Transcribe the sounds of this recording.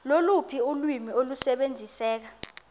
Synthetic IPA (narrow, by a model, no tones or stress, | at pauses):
lolupʰiulwimiolusɛɓend͡zʱisɛːk̬a